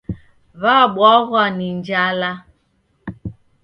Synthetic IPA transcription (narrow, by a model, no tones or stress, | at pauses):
βaɡ͡bɔɣʷanin̩d͡ʒala